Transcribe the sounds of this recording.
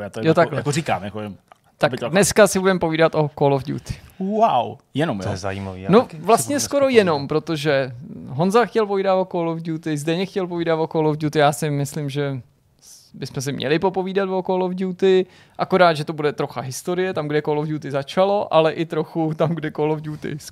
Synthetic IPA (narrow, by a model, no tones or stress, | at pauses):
jaːt̪ojot̪akakoɾika̰ːmjakovɪm | t̪abɪdnɛskasɪbudɛmpo̞viːdat̪ʔo̞kolofɟṵːt̪ɪ̥wawjɛnom̰ɛza̰jḭma̰vḭnovlast̪ɲɛsko̞ɾo̞jɛno̞mpɾo̞t̪oʒɛɦonzaxcɛlpoviːdat̪okolofɟuːt̪ɪzdɛɲɛxcɛlpoviːdat̪okolofɟut̪ɪjaːsɪmɪslɪmʒɛ | bɪsmɛs̬ɪmɲɛ̰lɪpo̞po̞viːdat̪vokolofɟuːt̪ɪ | ʔako̞ɾaːd̪ʒɛt̪o̞budɛt̪ɾo̞xaɦɪst̪oɾɪjɛt̪amɡdɛkolovɟuːt̪ɪzat͡ʃalo̞ʔalɛʔɪt̪ɾo̞xut̪amɡdɛkolovɟuːt̪ɪ̰s